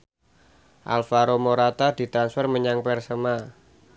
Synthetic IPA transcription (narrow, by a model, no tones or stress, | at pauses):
ʔa̰lfaɾomoɾat̪ad̪i̤t̪ɾansfərməɲaŋpɛrsəma